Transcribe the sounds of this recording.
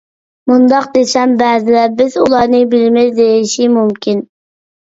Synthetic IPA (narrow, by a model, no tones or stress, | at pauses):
mund̪ɑq̚d̪esɛmbɛːzɪlɛbɪzulˠɑɾnɨbɪlɪmɪzd̪ejʃimumkʲʰin